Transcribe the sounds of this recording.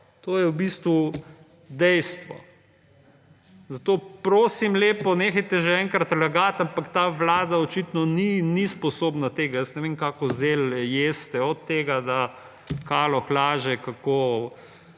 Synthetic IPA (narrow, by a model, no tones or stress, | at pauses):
t̪oːjɛwbist̪ʋu | d̪ɛjst̪ʋɔ̰ | zat̪oːpɾoːsimleːpɔnexɛjt̪ɛʒeɛŋkɾat̪laɡat̪ampakt̪aːʋlaːd̪aɔt͡ʃiːt̪nɔninispɔsoːbnat̪eːɡajəsnɛʋeːŋkaːkɔzeːljeːst̪ɛɔt̪ːeːɡad̪a | kaːlɔxlaːʒɛkakoː